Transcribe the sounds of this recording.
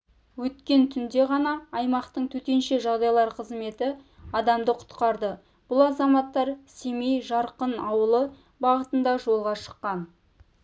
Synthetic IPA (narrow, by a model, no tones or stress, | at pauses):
wɵt̪kʲe̞nt̪ʰʏnd̪e̞ʁɑnɑːjmɑqt̪əɴt̪ʰɵt̪e̞nʃe̞ʒɑʁd̪ɑjlˠɑɾqʰəzme̞t̪ɪ | ɑd̪ɑmd̪əqʰʊ̥t̪qɑɾd̪ə | b̥ʊlˠɑzɑmɑt̪ːɑɾse̞me̞jʒɑɾqənɑwəlˠə | bɑʁət̪ənd̪ɑʒo̞lˠʁɑʃə̥qːɑn